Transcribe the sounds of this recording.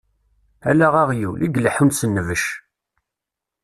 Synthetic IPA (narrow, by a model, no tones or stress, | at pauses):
ælæʁaʁjulʔiɡləħunsənːəvəʃ